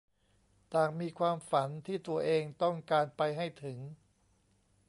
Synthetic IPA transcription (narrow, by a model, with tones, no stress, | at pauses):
t̪aː˨˩ŋmiː˧kʰwaː˧mfa˩˦nt̪ʰiː˥˩t̪u˧ɐʔeː˧ŋt̪ɔ˥˩ŋkaː˧npa˧jɦa˥˩jt̪ʰɯ˩˦ŋ